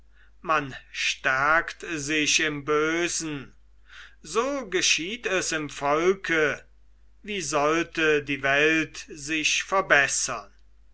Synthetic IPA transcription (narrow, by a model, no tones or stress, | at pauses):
manʃtæɐktzɪɕɪmbøːzn̩ | zoːɡəʃiːtɛsɪmfɔlkʰə | viːzɔltədiːvɛltzɪçfɛɐbɛsɐn